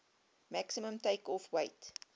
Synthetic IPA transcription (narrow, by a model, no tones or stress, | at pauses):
mæksiməmtəjkɔfwɐjt